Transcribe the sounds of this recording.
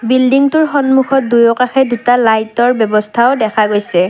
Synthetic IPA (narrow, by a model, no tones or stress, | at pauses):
bildiŋtʊɹxɔnmuxʰɔt̚dujɔkaxɛdutalajtɔɹbjɔbɔstʰaʊdɛkʰaɡojsɛ